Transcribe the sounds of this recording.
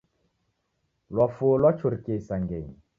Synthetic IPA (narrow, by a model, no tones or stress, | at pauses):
lwafolwat͡ʃuɾkesaŋɡeɲ